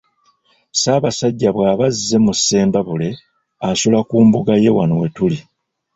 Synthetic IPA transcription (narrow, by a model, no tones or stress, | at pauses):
saːβasaɟːaβwaːβazːe̞musːe̞ːmbaβule̞ | asulakuːmbuɡaje̞wa̰nowe̞tuli